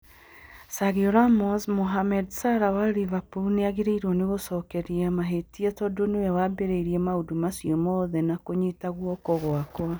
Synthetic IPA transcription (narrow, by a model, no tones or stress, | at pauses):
saɣioɾamɔsmoɦamɛdsaɾawaɾivapuuneaɣeɾeiɾɔneɣosɔkɛɾiamaɦetiɛtɔdonowɛwabeɾeiɾiɛmaodomasjemɔðɛnakoɲitaɣwɔkɔɣoakwa